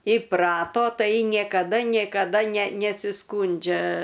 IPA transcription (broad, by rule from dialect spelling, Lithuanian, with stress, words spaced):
ɪˈprɑːtoː ˈtɐɪ nʲeːkɐˈdɐ nʲeːkɐˈdɐ nʲɛ nʲɛsʲɪˈskuːnʲd͡ʒʲɛ